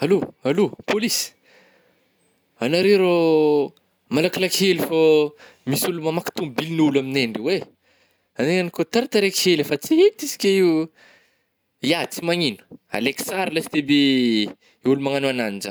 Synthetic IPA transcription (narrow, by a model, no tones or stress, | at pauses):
aloalopolis | anaɾeɾo | malakilakhelifo | misulumamaki̥t̪umbilnulamineɳɖ͡ʐiwe | aneŋanikot̪aɾat̪aɾekhelefat͡siɦet̪isi̥kʲai | jat͡simaŋinə̥a̰leksaɾlasi̥d̪ebe | iulumaŋanuananind͡ʒa̰